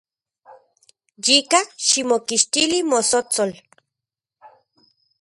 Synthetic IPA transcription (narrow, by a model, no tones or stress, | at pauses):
jikaʃimokiʃt̪ilimosot͡sol